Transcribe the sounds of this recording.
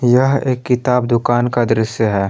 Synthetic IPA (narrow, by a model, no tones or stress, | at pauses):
jɐɦeːkːɪt̪aːbd̪ʊkaːnkad̪ɾɪsjəɦɛː